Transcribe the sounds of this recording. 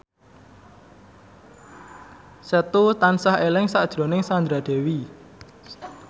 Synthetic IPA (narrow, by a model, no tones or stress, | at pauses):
sət̪ut̪ansahelɪŋsaʔd̥ʒ̥ɾo̤nɪŋsand̪ɾad̪̥e̤wi